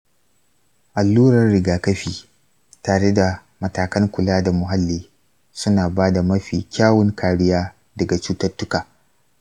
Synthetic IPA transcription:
ʔa˨lːuː˦ɾɐ˨rːɪ˨ɡaː˨kɐ˦ɸiː˨ | taː˨ɽe˦da˨ | mɐ˨taː˨kɐ˦ŋkʷʊ˨laː˦da˨mʊ˨ɦa˦lːiː˦ | sʊ˦naː˨baː˦da˨mɐ˦ɸiː˨kʲaː˦wʊ˦ŋkaː˨ɽɪ˦jaː˦ | dɐ˨ɡa˨t͡ʃuː˦tɐ˦rtːʊ˦kaː˨

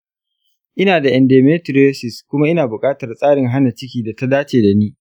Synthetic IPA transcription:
ʔɪ˦naː˨da˨ʔɛ˨ndeː˨meː˦tɾoː˦sɪ˨skʷʊ˦ma˦ʔɪ˦naː˨bʊ˨kʼaː˦tɐ˨rsʼaː˦ɽɪ˨ŋɦa˦na˨t͡ʃɪ˦kʲiː˨da˨ta˦daː˦t͡ʃeː˨da˨niː˦

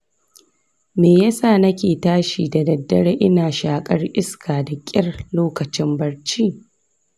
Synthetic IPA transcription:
meː˨jɐ˦saː˦˨nɐ˦kʲeː˨taː˦ʃiː˨da˨dɐ˨dːɐ˦ɽeː˦ʔɪ˦naː˨ʃaː˨kʼɐ˦rʔɪ˦skʰaː˨da˨kʲʼɪ˦rloː˦kɐ˨t͡ʃɪ˦mbɐ˦ɽt͡ʃiː˦

